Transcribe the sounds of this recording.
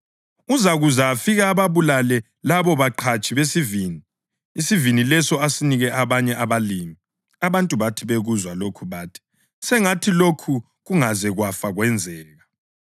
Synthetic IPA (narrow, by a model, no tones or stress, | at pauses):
uzaɣuzafiɣaːβaβulalɛ | laβɔβaǃʰat͡ʃʼiβesiviːni | isivinilɛsɔasiniɣɛʔaβaɲɛʔaβalimi | aβantʼuβatʰiβeɣuzwalokʰuβaːtʰi̥ | sɛŋatʰilokʰu | ɣuŋazɛɣwafaɣwɛnd͡zʱɛːɣa